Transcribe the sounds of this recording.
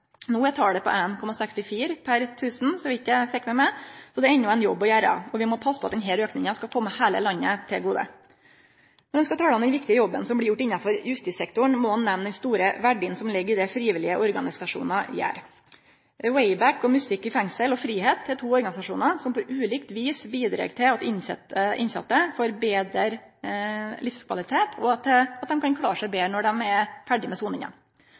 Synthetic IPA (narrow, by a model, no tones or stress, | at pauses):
nuːjæt̪ʰɑːɖɛpʰɔ̰ʔenkʰɔmːɑsɛkst̪ɪfiːɾpʰæɾt̪ʰʉːsn̩sɔʋɪɪt̪ːjæɪfɛkːmɛmæsɔd̪ɛɛnːʊæɪnjɔbːɔjæːɾɑ̰ɔʋɪmɔpʰɑsːəpʰɔɑt̪d̪ɛnɦɛːløːknɪŋɑskɑkʰɔmːəhæːlə̰lɑɲːət̪ʰɪlɡuːd̪ə̰ | nɔɾɖɛnskɑt̪ʰɑːləɔmd̪ɛnʋɪkt̪ɪəjɔbːənsɔmblɪɾjʊʈːɪnːɑfɔɾjʉst̪ɪsɛkt̪ʊɳmɔhɑnːɛmnd̪ɛnst̪uːɾəʋæɖɪənsɔmlɪɡːəɪd̪ɛfɾiːʋɪlɪəʔɔɾɡɑnɪsɑʂṵːnɑ̰jæ̰ːɾ | wɛɪbækːɔmʉsɪkːɪfɛŋsəlɔfɾiːheːt̪ʰːɪlt̪ʰuːɔɾɡɑnɪsɑʂuːnɑsɔmpɔʔʉːliːkt̪ʋiːsbiːd̪ɾḛːɡt̪ʰɪlɑt̪ɪnsɛt̪əʔɪ̰nsɑ̰t̪ːəfoɾbeːd̪ɾəɾ | lɪfskʰʋɑlɪt̪ʰeːt̪ʰɔɑt̪ɛɑt̪̚d̪ɛmkʰɑnkʰɽɑ̰ːʂæɪbeːnɔɖɛmɛfæɖɪmɛsuːnɪŋɑ̰